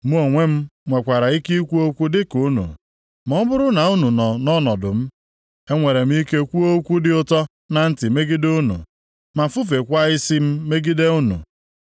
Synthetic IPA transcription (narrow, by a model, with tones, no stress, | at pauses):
mu˦o˨ŋʷe˦m̩˦ŋʷe˨kʷa˨ɾa˨i˦ki˦kʷu˦o˦kʷu˦dɪ˦ku˨˦nṵ˨ | mɔ˨˦bʊ˦ɾʊ˦na˨u˦nu˨nɔ˨nɔ˦nɔ˨dʊ˨m̩˦ | e˦ŋʷe˨ɾe˨m̩˦i˦ke˦kʷu˦o˦kʷu˦dɪ˦ʊ˦tɔ˦ | na˨n̩˦tɪ˨me˦ɡi˦du˦nṵ˨ | ma˨fu˦fe˨kʷa˦ɪ˦si˦m̩˦me˦ɡi˦de˦u˦nṵ˨